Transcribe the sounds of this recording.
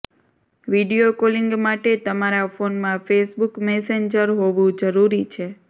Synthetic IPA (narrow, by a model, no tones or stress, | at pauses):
ʋiɖijokoliŋɡmaʈet̪əmaɾafonmãfesbukmɛseɲd͡ʒəɾɦoʋũd͡ʒəɾuɾit͡ʃʰe